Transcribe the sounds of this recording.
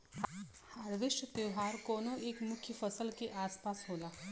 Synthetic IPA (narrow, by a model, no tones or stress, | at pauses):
haɽʋiʃʈt̪eɦaɾkonoeːkmʊkʰjəfəsəlkeʔaspasɦola